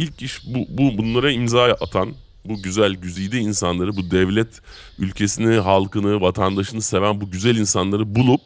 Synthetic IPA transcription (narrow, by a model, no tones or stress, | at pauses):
ilʲcʰiʃbububunlˠaɾaimzaːʔat̪ʰan | buɟyzælʲɟyzijd̪iiːnsanlˠaɾɯbud̪ɛvlʲɛt̪ | ylʲcʰe̞siniɦalˠkɯnɯvat̪ʰand̪aʃɯnɯse̞vænbuɟyzælʲinsanlˠaɾɯbulˠup̚